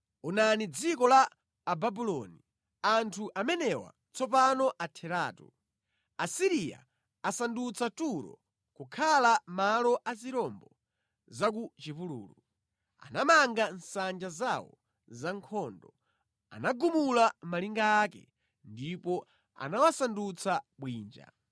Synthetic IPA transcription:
unanid͡zikɔlaː | babulɔni | antʰuʔamɛnɛwa̰ | t͡sɔpanɔʔatʰɛɾaːtu | asiɾija̰ | asandut͡satuɾɔ̰ | kukʰalamalɔʔaziɾɔmbɔ | zak̬ut͡ʃipulṵːlu | a̰namaŋɡansand͡ʒazawɔ̰ | zaŋkʰɔːndɔ | a̰naɡumulamaliŋɡaːkɛ̰ | ndipɔ | a̰nawasandut͡sʰaɓwiːnd͡ʒa̰

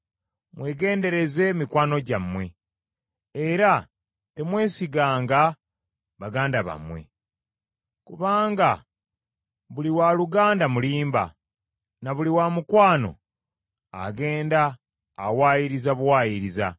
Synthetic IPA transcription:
mwe̞ːɡe̞ːnde̞ɾe̞ze̞mikwaːno̞ɟamwe̞ | eɾa | te̞mwe̞ːsiɡaːŋɡa | βaɡaːndaβa̰mwe̞̰ | kuβaːŋɡa | βuliwaluɡaːndamuliːmba̰ | naβuliwamukwaːno̞̰ | a̰ɡe̞ːndaː | waːjiɾizaβuwaːjiɾiza̰

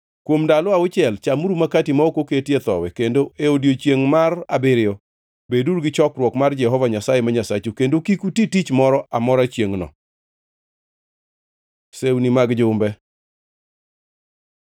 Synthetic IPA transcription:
kwomdaloaʊt͡ʃɪɛlt͡ʃamuɾumakatimaokoketjet̪ɔ̰wɛkendoʔeodjot͡ʃjeŋmara̰bɪɾɪjɔ | beduɾɡɪt͡ʃɔkɾwɔkmard͡ʒɛhɔvaɲasajemaɲasat͡ʃukendokikutitit͡ʃmɔɾɔʔamɔɾat͡ʃjeŋnɔ̰ | sewunimaɡd͡ʒʊmbɛ

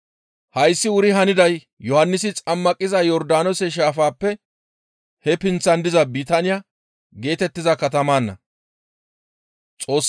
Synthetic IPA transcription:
hɐjsːɪʊɾɪɦɐnɪd̪ɐj | jɔhɐnːɪsɪt͡sʼɐmːɐkʼːɪzɐjɔɾd̪aːnɔsɛʃ̬aːfaːpːɛ | hɛpɪnt͡sːɐnd̪ɪzɐbit̪anɪjɐ | ɡe̞ːt̪ɛt̪ːɪzɐkɐt̪ɐmaːnːɐ̰ | t͡sʼo̞ːsː

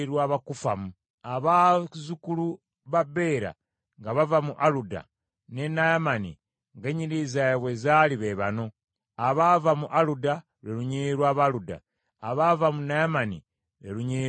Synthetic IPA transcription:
ɾwaːβakufamu | aβazukulu | βabe̞ːɾa̰ | ŋɡaβavamuʔaluda̰ | ne̞najamanḭ | ŋɡeɲiɾizajeβwe̞zaliβeβano̞ | aβavamuʔaluda | ɾeluɲiɾwaːβaluda̰ | aβavamunajamanḭ | ɾeluɲi

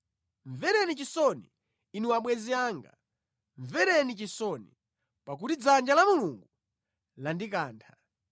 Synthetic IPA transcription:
ɱvɛɾɛnit͡ʃisɔniː | niwaɓwɛziaːŋɡa̰ | ɱvɛɾɛnit͡ʃisɔni | pak̬utid͡zand͡ʒalamuluŋɡu | landikaːntʰa

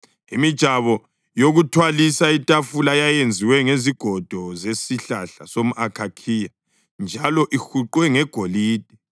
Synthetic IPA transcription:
imid̥ʒ̥ʱaβɔ | joɣutʰwalisaitʼafulajajend͡zʱiwɛŋeziɡ̥ʱɔd̥ʱɔzesiɬaɬasomuʔakʰakʰija | nd͡ʒʱalɔʔixuǃwɛŋɛɡ̥ʱoliːd̥ʱɛ

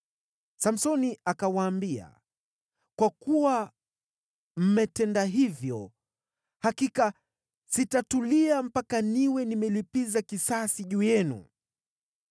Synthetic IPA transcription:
sam̩sɔniakawaːmbia̰ | kwakuwa | m̩mɛtɛndaɦivjɔ | hakika | sitatuliam̩pakaniwɛnimɛlipizakisasiʄuːjɛnṵ

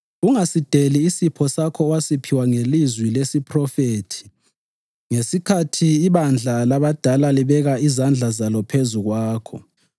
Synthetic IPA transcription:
uŋasid̥ʱeliːsipʰɔsakʰɔwasipʰiwaŋelizwilesipʰrɔfeːtʰi̥ | ŋesikʰatʰiːβand͡ɮʱalaβad̥ʱalaliβɛɣaizand͡ɮʱazalɔpʰezuɣwaːkʰɔ̰

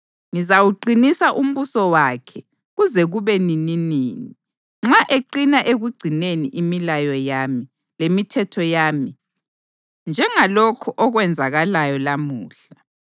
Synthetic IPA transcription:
ŋizawuɡ͡ǀinisaʔum̩βusɔwakʰɛ | ɣuzɛɣuβɛnininiːni | ŋ͡ǁaʔeǃinaʔeɣuɡ͡ǀʱineniʔimilajɔjami | lemitʰɛtʰɔjaːmi | nd͡ʒʱɛŋalokʰɔʔɔɣwɛnd͡zʱaɣalajɔlamuːɬa

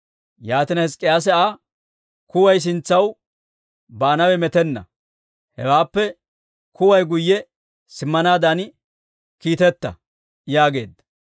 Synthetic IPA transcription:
jaːt̪ɪnɐhɛskʼːɪjaːs̬ɛʔaː | kʊwɐjs̬ɪnt͡sːɐw | baːnɐwɛmɛt̪ɛnːɐ̰ | hɛwaːpːɛ | kʊwɐjɡʊjːɛ | sɪmːɐnaːd̪ɐn | kiːt̪ɛt̪ːɐ̰ | jaːɡe̞ːd̪ːɐ

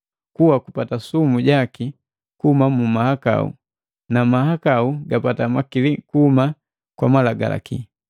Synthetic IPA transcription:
kuwakupatasumuɟaki | kuhumamumahaka̰ṵ | namahakauɡapatamakilikuhuma | kwamalaɡa̰la̰kḭ

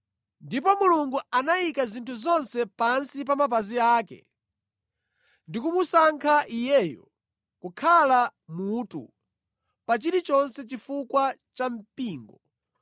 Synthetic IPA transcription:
ndipɔmuluŋɡuanajikazintʰuzɔnsɛpansipamap̬aziaːkɛ̰ | ndikumusaŋkʰaʔijɛːjɔ̰ | kukʰalamuːtṵ | pat͡ʃiɾit͡ʃɔnsɛt͡ʃifukwat͡ʃam̩piːŋɡɔ

